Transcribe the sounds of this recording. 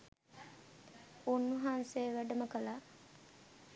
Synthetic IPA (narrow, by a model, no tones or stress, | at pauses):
unːuɦanseːʋæɖɐməkɐla